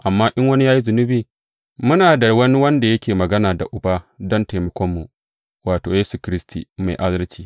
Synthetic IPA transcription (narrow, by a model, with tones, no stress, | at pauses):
ʔa˨mːaː˦ʔɪ˦ŋwɐ˦ni˦jaː˦ji˦zʊ˨nʊ˦biː˨ | mʊ˦naː˨da˨wɐ˦ni˦wɐ˦nda˨jɐ˦kʲʰeː˨mɐ˨ɡɐ˦naː˨da̰˨ʔʊ˨baː˦dɔ˦nta˨mɐ˦kʷɔ˦mːu˨ | waː˨toː˨jeː˦su˨kʲɾɪ˦stḭː˨ma̰˨jʔa˦dɐ˦lt͡ʃiː˦